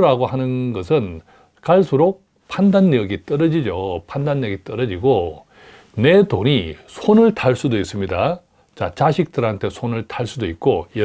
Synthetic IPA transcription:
ɾaɡohanɯnɡʌsʰɯn | kaɭsʰuɾo | pʰandanːijʌɡit͈ʌɾʌd͡ʑid͡ʑopʰandanːʌɡit͈ʌɾʌd͡ʑiɡo | ne̞toɲisʰonɯɭtʰaɭs͈udois͈ɯmɲida | t͡ɕat͡ɕaɕʰik̚t͈ɯɾɦantʰe̞sʰonɯɭtʰaɭs͈udoik̚k͈ojʌ

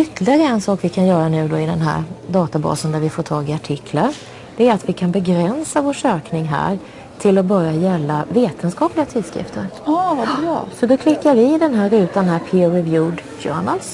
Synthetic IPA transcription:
ʏt̪ʰːlɪɡaɾəɛnsɑːkvɪkʰanjœːɾanʉ̟ːd̪ɔɪd̪ɛnɦæ̰ɾd̪ɑːt̪abɑ̰ːsənd̪æɾvɪfoːʈʰɑːɡɪaʈʰɪkʰːlaɾ | ɖ̥̪ɛæɾat̪vɪkʰanbɛɡɾɛnsavoːʂøːknɪŋɦæ̰ːɾ | t̪ʰɪlɔbœɾjajɛlːaveːt̪ʰənskɑːplɪɡat̪ʰɪlskɾɪ̰ft̪ʰəɾɑvaɑːsɔd̪ɔkʰlɪkːaɾvɪːd̪ɛnɦæɾʉ̟ːt̪ːanɦæːɾpʰɪɾɛvjuːd̪ɡjœ̰ːɳəls

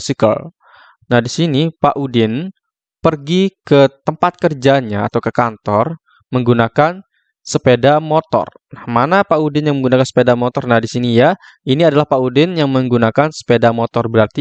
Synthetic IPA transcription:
sikə̰l | nahdisinipaʔudɪn | pərɡikət̪əmpat̪̚kərd͡ʒaɲa̰ːt̪awkəkant̪ɔr | məŋɡunakan | səpedamot̪ɔ̰r | nahmanapaudɪnjãŋməŋɡunakansə̥pedamɔt̪ɔrnahdisinija | iniadalahpaudɪnjaŋməŋɡunakansə̥pedamot̪ɔrbəɾart̪i

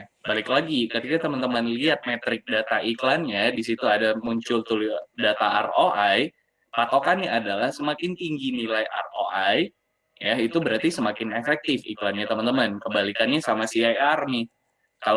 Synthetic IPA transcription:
balɪklaɡikət̪ikat̪əmənt̪əmənliat̪̚mɛt̪ɾɪk̚dat̪aʔiklanjadisit̪uadamuɲt͡ʃʊlt̪ulidat̪aʔa̰roʔaj | pat̪okaniadalahsəmakɪnt̪iŋɡinilajʔa̰roʔaj | jait̪ubəɾart̪isəmakɪnefɛk̚t̪ɪfḭklanɲat̪əmənt̪əmankəbalikanɲasamasiajarnɪh | kal

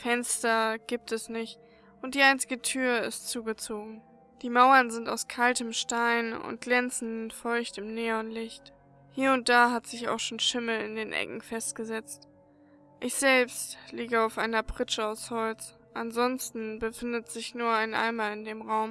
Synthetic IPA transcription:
fɛnstɐɡ̥iːp̚tɛsnɪçt | ʔʊnt̚d̥iːaɪnt͡sɪɡətʰyːɐɪ̰stt͡suːɡət͡soːɡŋ̩ | d̥iːmaʊɐnzɪnta̰ʊskʰaltəmʃtaɪnʊ̰ntɡ̥lɛnt͡sn̩fɔʏçtɪmneːɐʊntlɪçt | hiːɐʊnt̚d̥aːɦatz̥ɪça̰ʊxʃoːnʃɪml̩ɪ̰ndeːnʔɛ̰kŋ̩fɛstɡ̥əzɛt͡st | ʔɪçz̥ɛlpstliːɡəaʊfʔaɪnɐpʁ̥ɪt͡ʃəaʊshɔlt͡s | ʔanzɔnstn̩bəfɪndətz̥ɪçnuːɐaɪnʔa̰ɪmaɪndeːmʁaʊm

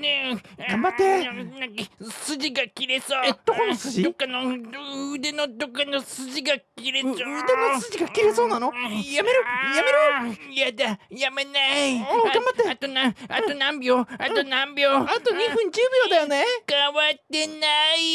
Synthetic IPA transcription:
neɡãmbat̪ːenãkasɨd͡ʑiɡakʲiɾesoːd̪̥okonosɨʑid̪okːanoː | d̪enod̪okːanosɨʑiɡakʲiɾeod̪enossɨʑiɡakʲiɾeso̞ːnanõjameɾɯjameɾɯjad̪ajamenaiɡaãmbat̪ːeat̪onãat̪onãmbʲjoːaonãmbʲoːat̪oɲ̟iɸɯ̟̃ɲd͡ʑɨːbjoːd̪ajonekaβat̪ːe̞nai

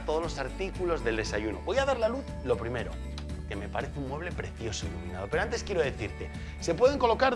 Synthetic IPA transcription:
t̪oð̞o̞zlo̞saɾt̪ikulo̞zðe̞ld̪e̞saʝuno̞̰βo̞jaðaɾlaluθ | lo̞pɾime̞ɾo̰ | ke̞me̞paɾe̞θeuŋmwe̞β̞le̞pɾe̞θjo̞soḭluminaðo̞peɾoant̪eskjeɾoðe̞θiɾt̪e | se̞pwe̞ð̞e̞ŋko̞lo̞kaɾ

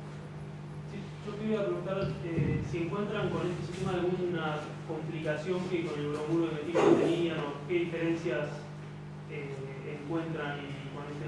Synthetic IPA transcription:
si | ʒ̥okeβujapɾe̞ɣunt̪aɾesie̞ŋkwe̞nt̪ɾaŋko̞ne̞st̪esi̥st̪e̞maðalɣunna | ko̞mplikasjo̞ŋkeko̞nelɣɾoɣuɾoemet̪iɣot̪enianoke̞ðife̞ɾe̞nsjas | e | eŋkwe̞nt̪ɾaniko̞nest̪e

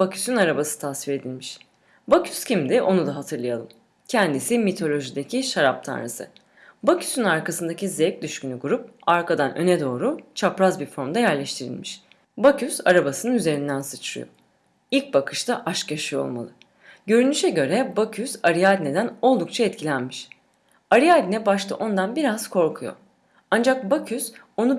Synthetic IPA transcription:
b̥acʰy̥synaɾabasɯ̥t̪ʰasviɾe̞d̪ilʲmiʃ | bacʰy̥scʰimd̪ɪʔo̞nud̪aɦat̪ʰɯɾlˠajalˠɯ̰m | cʰɛnd̪isimit̪ʰo̞lʲo̞ʒid̪ecʰiʃaɾap̚t̪ʰa̰nɾɯ̰sɯ̰ | bacʰy̥synaɾkasɯnd̪acʲizɛc̚d̪yʃcynyɡuɾup̚aɾkad̪anø̞̰nɛd̪o̞ːɾut͡ʃʰapɾazbiɾfo̞ɾmd̪ajæɾlʲɛʃt̪ʰiɾḭlʲmiʃ | bacʰysaɾabasɯnɯnyze̞ɾind̪ænsɯt͡ʃʰɾɯ̰jo̞̰ | ilʲc̚bakʰɯ̥ʃt̪aʔaʃkjaʃɯjo̞̰lˠma̰lˠɯ | ɟø̞ɾynyʃɛɟø̞ɾɛbacʰysaɾijaːd̪ʲne̞d̪æno̞lˠd̪uk̚t͡ʃʰaɛt̪cʰilʲænmiʃ | aɾijad̪ʲinɛbaʃt̪ˠɯ̰ʔo̞nd̪anbiɾaz̥kʰo̞ɾkʰujo̰ | and͡ʒak̚bacʰys | o̞nu

